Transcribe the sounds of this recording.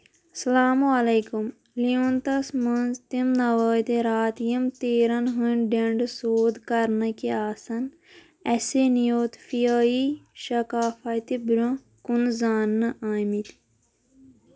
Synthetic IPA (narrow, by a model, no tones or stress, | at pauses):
sɐlaːmuɐleːkum | liũnt̪ɐsmɐnzt̪imnɐʋəːt̪eɾaːt̪jɐmt̪eːɾɐnɦunɖeɳɖsoːd̪kɐɾnɐkeaːsɐn | ɐsenijoːt̪fijaːiʃɐkaːfɐt̪ibɾʲõ | kunzaːnːɐʔaːmit̪